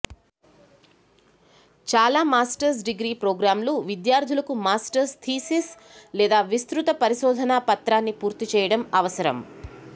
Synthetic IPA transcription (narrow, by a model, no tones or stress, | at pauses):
t͡ʃaːlaːmaːsʈɐɾs̬ɖiɡɾiːpɾoːɡɾaːmluʋid̪jaːɾd̪ʱulɐkumaːsʈɐɾst̪ʰiːsis | lɛːd̪aːʋist̪ɾut̪ɐpɐɾiʃɔːd̪ʱɐnaːpɐt̪ɾaːnːipuːɾt̪it͡ʃɛːjɐɽɐmɐʋɐsɐɾɐ̰m